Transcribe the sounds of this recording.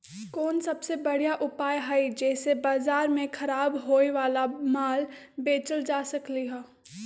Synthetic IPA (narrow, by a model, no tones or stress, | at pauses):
kɔːnsɐbsebɐɽ̤jaʔʊpaːjɦɐid͡ʒɛːsebaːzaːɾmẽkʰɐɾaːbɦoːeʋaːlamaːl | beːt͡ʃəld͡ʒaːsɐkliɦɛː